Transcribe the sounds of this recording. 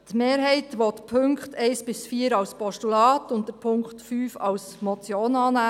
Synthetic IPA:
tmeːɾɦɛɪtʋɔt̪pʰʏŋkχtʰɛɪsb̥ɪsfiːəɾɑwspɔʃtulɑːt̪ʊnt̚dəɾpʰʊŋkχtfyːfɑws | mɔt͡sjoːnɑːnæː

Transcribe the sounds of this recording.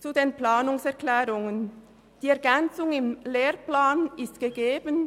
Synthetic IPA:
t͡sudeːnplaːnʊŋsɛɐklɛːʁʊŋən | d̥iːɛɐɡɛnt͡sʊŋɪmleːʁplaːnɪstɡ̥əɡeːbən

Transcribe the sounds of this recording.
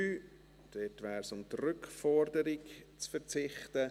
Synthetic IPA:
yː | d̥ɛtvɛːɾsʊmtrʏkfɔɾdəɾɪkt͡sfəɾt͡sɪχtə

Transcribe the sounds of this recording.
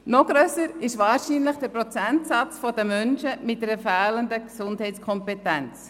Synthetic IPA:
nɔɡ̥ɾøsəɾɪʃvɑːɾʃiːnləχd̥ɛɾpɾɔt͡sɛntsɑt͡sfɔdəmœnʃəmɪt̚dɛɾəfɛːləndəksʊndhɛɪtt͡sskʰɔmpetɛnt͡s

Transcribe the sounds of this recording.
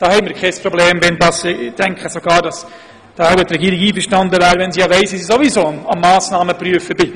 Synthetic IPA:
d̥ɑːhɛɪmiːɾkχɛspɾobleːmvɛndɑsd̥ɛŋkχəsoɡ̥ɑːɾdɑs | d̥ɑːaʊət̪ɾɛɡiːɾiɡiːfəɾʃtɑndəvæːɾəʋɛnsijɑʋɛɪsisisovizoːɑmːɑːsnɑːməpryəfəbɪ

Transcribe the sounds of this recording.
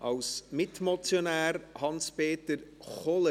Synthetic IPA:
awsmɪtʰmɔtʰjɔnɛrhɔnsb̥eːdərχɔlˠə

